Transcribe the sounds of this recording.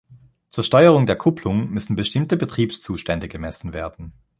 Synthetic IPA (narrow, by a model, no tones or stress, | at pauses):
t͡suːɐʃtɔʏəʁʊŋdeːɐkʰʊpʰlʊŋmʏsn̩bəʃtɪmtəbətʁ̥iːpst͡suːʃtɛndəɡəmɛsn̩veːɐdn̩